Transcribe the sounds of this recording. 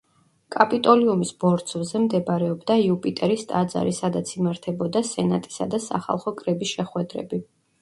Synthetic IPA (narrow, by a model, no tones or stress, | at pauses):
kʼapʼit̪ʼɔliumisbɔɾt̪sʰvzɛmd̪ɛbɾɛɔbd̪aiupʼit̪ʼɛɾist̪ʼad̪za̰ɾisad̪at̪sʰimaɾt̪ʰɛbɔd̪asɛna̰t̪ʼi̥sa̰d̪asa̰χa̰lˠχɔkʼɾɛbisʃɛχwɛd̪ɾɛ̰bi